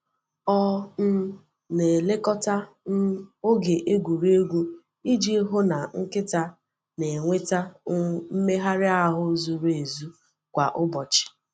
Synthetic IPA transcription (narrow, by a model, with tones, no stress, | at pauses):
ɔ˦n̩˦ | ne˨le˦kɔ˦ta˦ | n̩˦o˦ɡe˨ʔe˦ɡʷu˨ɾe˦ɡʷu˦ | i˦d͡ʒi˦ɦʊ˦na˨ŋ̩˦kɪ˦ta˦ | ne˨ŋʷe˦ta˦ʊ˦m̩˦me˦ɦa˦ɾɪ˦a˦ɦʊ˦zu˨ɾe˨zu˦ | kʷa˨ʔʊ˦bɔ˨t͡ʃɪ̥˨